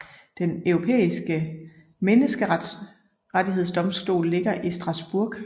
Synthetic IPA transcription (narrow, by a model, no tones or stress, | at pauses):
d̥enœʊʁo̝pʰḛːisɡ̥ə | menəsɡ̥ə̥ | ʁat͡siɦeð̞̰ˠsd̥ɒ̽msd̥o̝̰ːlle̝ɡ̥ɐʔisd̥ʁɑ̈sb̥uɐ̰ɡ̥